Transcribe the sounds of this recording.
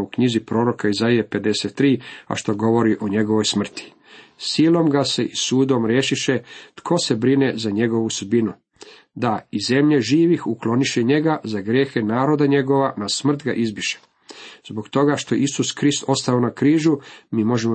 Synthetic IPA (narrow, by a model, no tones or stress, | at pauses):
ukɲizipɾo̞ːɾo̞kaizaiepe̞d̪e̞set̪ːɾiːa̰ʃt̪o̞ɡo̞ʋo̞ɾiʔoɲe̞ɡo̞ʋo̞jsmr̩t̪i̥ | siːlˠo̞mɡase̞ʔisuːd̪o̞mɾjeʃiʃe̞t̪kʰo̞se̞bɾine̞zaɲe̞ɡo̞ʋusud̪̚binu | d̪aize̞mʎeʒiːʋixuklo̞niʃeɲe̞ɡazaɡɾje̞xe̞naːɾo̞d̪aɲe̞ɡo̞ʋanasmr̩t̪ɡa̰ʔizbiʃe̥ | zbo̞kt̪o̞ɡaʃt̪ojḛisuskɾist̪o̞st̪aonakɾiːʒumiːmo̞ʒemo